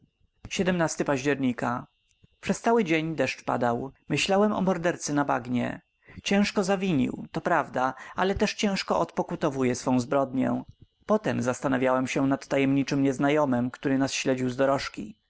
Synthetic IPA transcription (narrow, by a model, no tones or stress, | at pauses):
ɕɛd̪ɛmnast̪ɘpaʑd͡ʑɛɾɲika | pʂɛst̪sawɘd͡ʑeɲd̪ɛʂt͡ʂpa̰d̪awmɘɕlawɛmɔ̰mɔɾd̪ɛɾt̪sɛnabaɡɲɛ̰ | t͡ɕɛ̃w̃ʂkɔzavʲiɲḭwt̪ɔpɾavd̪aʔalɛt̪ɛʂt͡ɕɛ̃w̃ʂkɔʔɔt̪pɔkut̪ɔvujɛsfɔ̃w̃zbɾɔd̪ɲɛ̰̃ | pɔt̪ɛmzast̪anavʲjawɛmɕɛnat̪ːajɛmɲit͡ʂɘmɲɛznajɔmɘmkt̪uɾɘnasɕlɛd͡ʑiwzd̪ɔɾɔʂkʲḭ